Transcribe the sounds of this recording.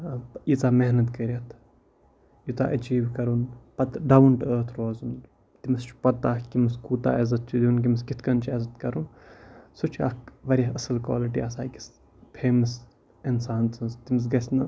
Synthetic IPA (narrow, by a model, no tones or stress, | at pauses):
it͡saːmɛɦnɐt̪kɐɾiɐt̪ʰ | jut̪a̰ʔɐt͡ʃiːʋkɐɾunpɐt̪ɖɐwɳʈəːt̪ʰɾoːzun | t̪imɐst͡ʃʰu̥pɐt̪ːaːkimɨskuːt̪a̰ːɐzɐt̪̚t͡ʃʰud̪ʲiunk̬imɐskit̪ʰkɐnt͡ʃʰezɐt̪kɐɾunsut͡ʃʰa̰ːkʋɐɾʲɐɦɐsɐlkwa̰ːliʈiaːsaːkis | pʰeːmɐs | ɪnsaːnt͡sʰɐnzt̪imɐs̬ɡɐsnɐ